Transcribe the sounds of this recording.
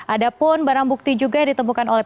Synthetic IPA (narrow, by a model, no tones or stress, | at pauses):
ʔadapʊnbaɾaŋbuk̚t̪id͡ʒuɡajadit̪əmukanolɛ